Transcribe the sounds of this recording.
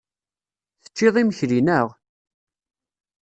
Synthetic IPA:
θə̥t͡ʃːɪðˤiməçɾinəʁ

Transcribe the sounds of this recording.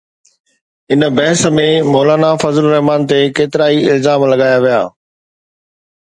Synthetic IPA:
ɪnəbɐɦsəmẽmɔːlaːnafɐzəlɾɐɦmaːnt̪ekeːt̪ɪɾaːiɪlzaːmlɐɡaːjaʋija̰ː

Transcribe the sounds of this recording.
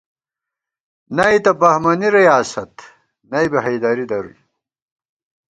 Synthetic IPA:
nɐjt̪ɐbɐhmɐniɾijaːsɐt̪ | nɐjbeɦɐjd̪aːɾid̪ɐɾṵj

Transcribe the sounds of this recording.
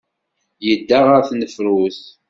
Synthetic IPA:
jəd̪ːaʁaɾθnəfɾuθ

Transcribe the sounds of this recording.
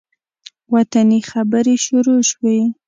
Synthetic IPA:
wat̪anixabəɾeʃʊɾoʃwe

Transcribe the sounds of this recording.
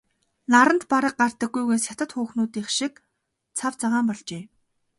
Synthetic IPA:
naɾə̆nt̪paɾə̆q̚ɢar̥t̪ə̆ɡːujɣeːnsjat̪ə̆t̪xuːxnuːt̪iːχʃik̚ | t͡sʰawt͡saʁaːmpɔɮt͡ɕeː

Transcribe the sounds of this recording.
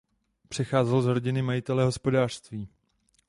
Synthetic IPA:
pr̝̥ɛxaːzɛlzɦɾo̞ɟɪnɪmajɪt̪ɛlɛɦo̞spo̞daːr̥st̪viː

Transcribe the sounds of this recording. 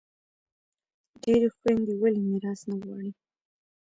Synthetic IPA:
ɖeɾexwand̪iwalimiɾɑsnaɣwɑ̰ɽi

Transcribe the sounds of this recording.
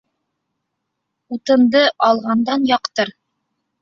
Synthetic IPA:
ut̪ɤ̆nd̪ɤʔɑlˠʁɑnd̪ɑnjɑqt̪ɤɾ

